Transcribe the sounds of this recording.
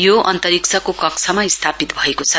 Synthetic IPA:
joʔʌnt̪ʌɾikt͡sʰʌkokʌkt͡sʰʌmaist̪ʰapit̪bʱʌekot͡sʰʌ

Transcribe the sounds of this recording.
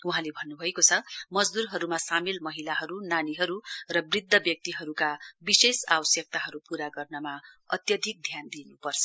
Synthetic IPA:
uɦãlebʱʌnːubʱʌekot͡sʰʌmʌd͡zd̪urɦʌɾumasamilmʌɦilaɦʌɾunaniɦʌɾurʌbrid̪ʱːʌbjʌk̚t̪iɦʌɾukabisesawʌsjʌk̚t̪aɦʌɾupuɾaɡʌrnʌmaʌt̪jʌd̪ʱik̚d̪ʱjand̪inupʌrt͡sʰʌ̥

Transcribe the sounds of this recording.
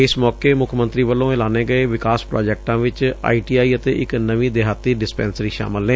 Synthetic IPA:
ɪsmɔːkeːmʊkʰmə̃nt̪ɾiːʋəlːõːɛlaːneːɡəeːʋɪkaːspɾɔːd͡ʒɛːk̚ʈãːʋɪt͡ʃa̰ːiːʈiːaːiːət̪eːʔɪknəʋĩːd̪eɦaːt̪iːɖɪspɛ̰̃ːnsɾiːʃa̰ːmɪlnẽː

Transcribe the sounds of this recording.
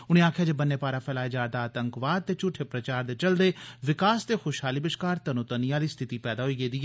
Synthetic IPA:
ʊñẽːaːkʰɪjaːd͡ʒebənːeːpaːɾaːpʰɛːlaːeːd͡ʒaːɾd̪aːət̪əŋkʋaːd̪̚t̪eːt͡ʃʊʈʰːeːpɾət͡ʃaːɾd̪eːt͡ʃəld̪eːʋɪkaːst̪eːxoːʃɦaːliːbɪʃkaːɾt̪ənʊt̪ənijãːliːst̪ʰɪt̪iːpɛːd̪aːɦoiːɡeːd̪iːɛː

